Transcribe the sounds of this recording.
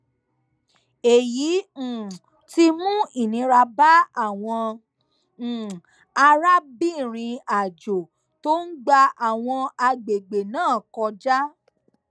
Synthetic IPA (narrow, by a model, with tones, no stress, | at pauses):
e˨jĩ˨˦˨ | ti˧mũ˦i˦˨nĩ˨˧˦ɾa˧ba˦a˦˨w̃ɔ̃˧˨ | a˧ɾa˦bi˦˨ɾ̃ĩ˧a˨d͡ʒo˨ | to˦n̩˦ɡ͡ba˧a˨w̃ɔ̃˧a˧ɡ͡be˨ɡ͡be˨nãː˦˨kɔ˧d͡ʒa˦